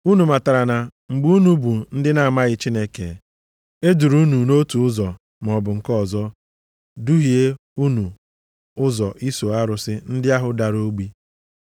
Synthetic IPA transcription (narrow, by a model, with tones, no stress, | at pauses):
u˦nu˨ma˨ta˨ɾa˨na˨ŋ͡m̩˨ɡ͡bu˦u˦nu˦bu˨n̩˦dɪ˦na˨a˨ma˦ɣɪ˦t͡ʃi˦ne˦kḛ˨ | e˦du˨ɾu˦nu˨no˦tu˨ʊ˦zɔ˨ | m˨ɔ˨bʊ˨ŋ̩˨kɔ˦˨zɔ˦ | du˦ɦi˨e˦ | u˦nu˨ | ʊ˦zɔ˨ʔi˦so˨a˦ɾʊ˨sɪ˦n̩˦dɪ˦a˦ɦʊ˨da˨ɾo˦ɡ͡bi˦